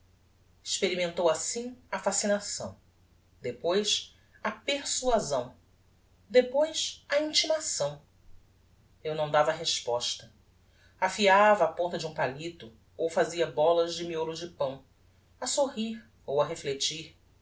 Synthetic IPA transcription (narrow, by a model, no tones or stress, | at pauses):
ɪʃpeɾimẽnt̪owasĩafasinasɐ̰̃w̃ | d̪epojs | apeɾsuazɐ̃w̃ | d̪epojʃɐĩnt͡ʃimasɐ̃w̃ | ewnɐ̃w̃d̪avɐɦeʃpɔʃt̪ɐ | afiavɐːpõnt̪ɐd͡ʒɪũpalit̪ʊ | owfaziɐbɔlɐzd͡ʒɪmioɾʊd͡ʒɪpɐ̃w̃ | ɐsoɦiɾ | owɐɦeflet͡ʃiɾ